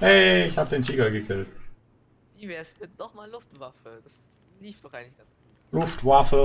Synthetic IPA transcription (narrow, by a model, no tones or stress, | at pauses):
ʔɛɪçhaːbədeːntʰiːɡɐɡəkʰɪlt | viːvɛːɐsb̥ɪtəd̥ɔχmaːlʊftv̥afəd̥as | liːftd̥ɔχʔaɪɡŋ̩lɪçɡ̥a | lʊftv̥afə